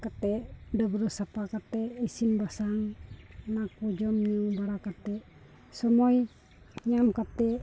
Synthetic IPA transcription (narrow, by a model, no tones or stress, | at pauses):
kat̪ɛdəbɾusapakat̪ɛisinbasaŋnakud͡ʒɔmɲəŋbaɾakat̪ɛ | sɔmoi | ɲamkat̪ɛ